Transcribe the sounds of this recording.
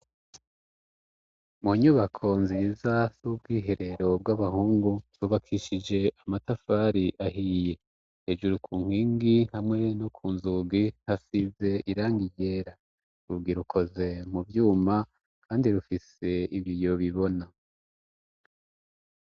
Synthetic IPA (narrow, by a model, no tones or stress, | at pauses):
muɲuβakʰo̞nzizazub̚ɡiːɦe̞ɾe̞ɾo̞b̚ɡaβaɦuːŋɡuɾuβakʰiʃid͡ʒe̞ʔamatafaːɾiʔaɦije̞ | heʒuɾukʰuːŋ̥hiːŋɡihamŋe̞no̞kʰuːnzuɡin̥hasive̞ʔiɾaːŋɡiɟe̞ːɾa | ɾuɡiɾukʰo̞ze̞mubjuːma | kʰaːndiɾufise̞iβjijo̞βiβo̞na